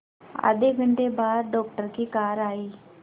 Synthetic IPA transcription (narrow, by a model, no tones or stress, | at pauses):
ə̰d̪eɡʱəɳʈebaːd̪̚ɖɔːk̚ʈəɾkiːkaːɾaːiː